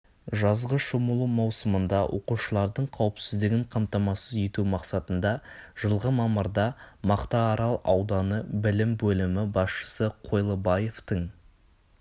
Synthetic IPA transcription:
ʒɑzʁəʃoməlˠumɑwsəmənd̪ɑwʔo̞̰quʃəlˠɑɾd̪əɴqʰɑwəpsɪzd̪ɪɡʲɪɴqʰɑmt̪ɑmɑsəze̞t̪umɑqsɑt̪ənd̪ɑʒ̥əlˠʁəmɑməɾd̪ɑmɑqt̪ɑːɾɑlˠɑwd̪ɑnəbɪlɪmbɵlɪmɪbɑsʃə̥səqʰo̞jlˠəbɑje̞ft̪əɴ

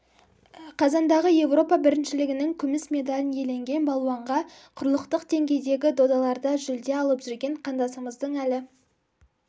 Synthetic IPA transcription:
qʰɑzɑnd̪ɑʁəje̞vro̞pɑbɪɾɪnʃɪlɪɡʲɪnɪŋkʲʰʏmɪsmʲe̞d̪ɑlʲɪnje̞le̞ŋɡʲe̞nbɑlˠuɑɴʁɑ | qʰʊɾlˠəqt̪əqd̪̥e̞ŋɡʲe̞jd̪e̞ɡʲɪd̪o̞d̪ɑlˠɑɾd̪ɑʒʏld̪e̞ɑlˠəpʒ̥ʏɾɡʲe̞ɴqʰɑnd̪ɑsəməzd̪əɴælɪ

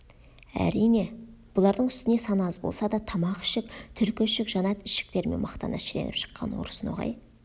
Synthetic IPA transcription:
æ̰ɾijne̞b̥ʊlˠɑɾd̪əɴʏst̪ɪne̞sɑnɑzbo̞̰lˠsɑd̪ɑt̪ʰɑmɑqɪ̥ʃɪk̚t̪ʰʏɾkʲɪʃɪkʒɑnɑt̪ɪʃɪ̥k̚t̪e̞ɾme̞̰nmɑqt̪ɑ̰nɑʃelenɪpʃə̥qːɑ̰nwo̰ɾəsənwo̞̰ʁɑ̰j

